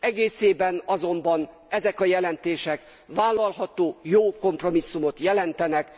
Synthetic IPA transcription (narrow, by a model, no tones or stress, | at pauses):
ɛɡeːseːbɛnɒzo̞mbɒn | ɛzɛkɒjɛlɛnt̪eːʃɛk | ʋaːlːɒlɦɒt̪oːjoːko̞mpro̞misːumo̞t̪jɛlɛnt̪ɛnɛk